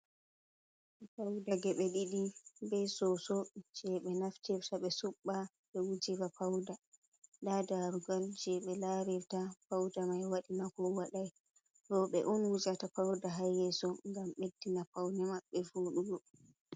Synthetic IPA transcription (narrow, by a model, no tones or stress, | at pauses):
pawdaɡɛɓɛɗiɗibɛsɔsɔd͡ʒɛɓɛnaftɛftaɓɛsuɓːa | ɓɛwud͡ʒiɾapawda | ɗadaɾuɡald͡ʒɛɓɛlaɾɛftapawdamajwaɗinakɔwaɗaj | ɾɔɓɛ̰ʔɔnwud͡ʒatapawdaɦajɛsɔŋɡamɓedːinapawnɛmaɓːɛvuːɗuɡɔ